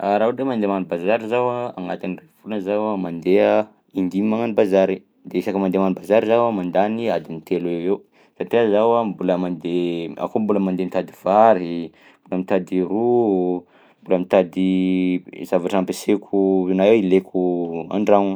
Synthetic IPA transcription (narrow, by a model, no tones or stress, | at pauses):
aɾauemand̪emanubazaɾizawaaŋat̪inirevulnzawamand̪ea | ind̪imaŋanibazaɾi | d̪eisakəmand̪emanubazaɾizawamand̪aniad̪init̪elewew | saʈ͡ʂiazawambuləmand̪ea̰kombuləmand̪emit̪ad̪iv̥aɾi | mbuləmit̪ad̪iɾu | mbuləmit̪ad̪i | z̥avaʈ͡ʂampesekʰunaewilekʰua̰ɳɖ͡ʐaŋ